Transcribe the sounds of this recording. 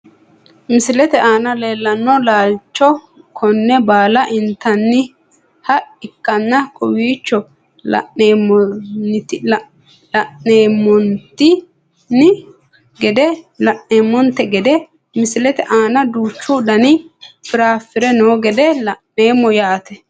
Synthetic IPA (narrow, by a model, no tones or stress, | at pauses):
mɪsɪlɛt̪ɛʔaːnɐle̞ːlːɐnːɔlaːlt͡ʃːɔ | kʰɔnːɛbaːlɐʔɪnt̪ːɐnːɪ | hɐɪkːɐnːɐkɔwiːt͡ʃːɔ | lɐ̰ʔneːmɔnɪt̪ | lɐʔeːmɔnt̪ːɪ | nɪ | ɡɛd̪ɛlɐʔːeːmːɔnt̪ɛɡɛd̪ɛ | mɪsɪlɛt̪ɛʔaːnɐd̪uːt͡ʃːud̪ɐnɪfɪɾaːfɪɾɛnoːɡɛd̪ɛlɐʔe̞ːmːɔjaːt̪ɛ